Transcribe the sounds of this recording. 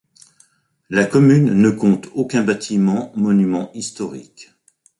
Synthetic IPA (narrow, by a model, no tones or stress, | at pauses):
lakɔmynːəkɔ̃t̪okʲɛ̃bat̪ʰimɑ̃mɔnymɑ̃ist̪ɔʁḭk